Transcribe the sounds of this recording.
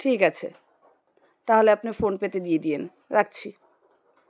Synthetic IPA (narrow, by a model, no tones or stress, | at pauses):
ʈʰikat͡ɕʰḛ | t̪aɦoleapnifonpet̪ed̪ijed̪ien | ɾak̚t͡ɕʰi